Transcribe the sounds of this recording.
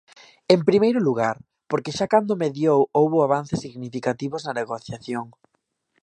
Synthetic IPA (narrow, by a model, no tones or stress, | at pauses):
empɾimejɾʊluɣaɾ | poɾkɪʃakand̪ʊmeðjowowβʊaβ̞anθesːiɣnifikat̪iβʊznɐneɣoθjaθjoŋ